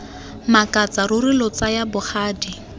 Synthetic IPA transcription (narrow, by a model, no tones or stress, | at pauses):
makʼat͡sarʊrɪlɔt͡sajabʊχaːdi